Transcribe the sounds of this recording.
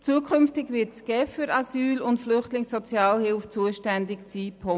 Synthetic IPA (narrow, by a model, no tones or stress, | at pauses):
t͡suːəkʰχʏmftɪɡʋɪɾtsɡ̥ɛːfyɾɑsyːlʊntflʏχtlɪŋsɔt͡sjɑːlhɪlft͡suəʃtændɪksiːpʰo